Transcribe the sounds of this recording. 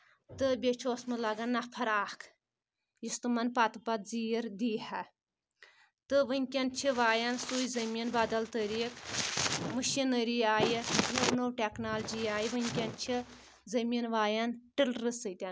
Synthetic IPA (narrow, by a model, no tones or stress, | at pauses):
t̪ɨbʲet͡ʃʰoːsmɨlɐɡɐnːɐpʰɐɾaːkʰ | jist̪ɨmɐnpat̪ɨpɐt̪zijəɾd̪iːhɐ | t̪ɨʋɨnʲkʲɐnt͡ʃʰiʋaːjɐnsuːjzɐmiːnbad̪ɐlt̪əɾiːk | mɨʃinəɾiaːjinownowʈʲeknaːld͡ʒiaːjiʋɨnʲkʲɐnt͡ʃʰi | zɐminʋaːjɐnʈɨlɾɨsɨt̪ʲɐn